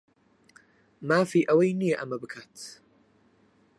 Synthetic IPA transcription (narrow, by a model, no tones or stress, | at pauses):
maːfiːʔɐwɐjnijɐʔɐmɐbɨkʰaːt̪ʰ